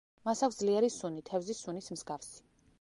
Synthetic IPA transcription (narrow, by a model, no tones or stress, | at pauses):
masakʷsd̪zliɛɾisunit̪ʰɛvzisunismzɡafsi̥